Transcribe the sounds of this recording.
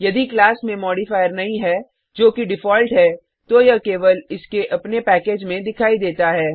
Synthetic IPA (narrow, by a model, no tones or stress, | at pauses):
jɐd̪iklaːsmẽmɔːɽifaːjəɾnɐɦĩɦɛː | d͡ʒoːkiɖɪfɔːlʈɦɛ | t̪ojakeːʋəlɪskeʔɐpnepɛːkeːd͡ʒmẽd̪ɪkʰaːid̪eːt̪aɦɛː